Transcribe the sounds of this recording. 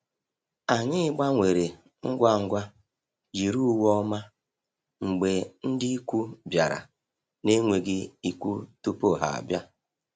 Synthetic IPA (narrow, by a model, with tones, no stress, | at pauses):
a˨ɲɪ˦ɡ͡ba˦ŋʷe˨ɾe˨ | ŋ̩˦ɡʷa˦ŋ̩˦ɡʷa˦ | d͡ʒi˨ɾu˦wɔ˦ma˦ | ŋ͡m̩˨ɡ͡be˨n̩˦dɪ˦i˦kʷu˦bja˨ɾa̰˨ | ne˦ŋʷe˨ɡɪ˦i˨kʷu˦tu˦po˦˨ɦa̰˨a̰˨bja˦